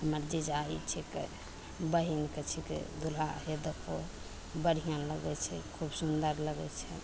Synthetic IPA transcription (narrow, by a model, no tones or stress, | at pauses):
ɦəməɾd͡ʒid͡ʒait͡ʃʰike | bəɦinket͡ʃʰikḛd̪ulaɦed̪ekʰo | bəɽ̤ʱijãləɡɛt͡ʃʰɛkʰubsund̪əɾləɡɛt͡ʃʰɛ